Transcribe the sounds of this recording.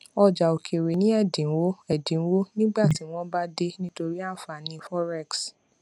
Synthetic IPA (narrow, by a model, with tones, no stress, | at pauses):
ɔ˧d͡ʒa˨o˨kʰe˨ɾe˨nĩ˦ɛ˦˨dĩ˨˦wo˦ɛ˨dĩ˨˦wo˦nĩ˦ɡ͡ba˦˨ti˨˦w̃ɔ̃˦ba˦de˦nĩ˦to˧ɾi˦a˦˨fa˨nĩ˧˦˧fɔ˦ɾɛ˦˨ks